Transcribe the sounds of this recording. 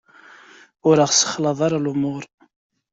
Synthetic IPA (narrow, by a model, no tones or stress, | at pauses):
ʊɾəʁsə̥χlɑðˤɑɾˤɑlumʊɾˤ